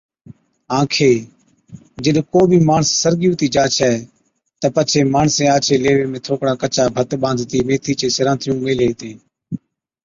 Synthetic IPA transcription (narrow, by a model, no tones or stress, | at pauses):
ãːkʰeː | d͡ʒəɗkoːbʱiːmaːɳsːəɾɠɪjũːt̪iːd͡ʒaːt͡ʃʰɛː | t̪əpət͡ʃʰeːmaːɳsẽːaːt͡ʃʰeːleːʋeːmẽːt̪ʰoːkɽãːkət͡ʃaːbʱət̪ɓãːnd̪ʱt̪iːmeːt̪ʰiːt͡ʃeːsɪɾãːnt̪ʰɪjũːmeːleːt̪ẽː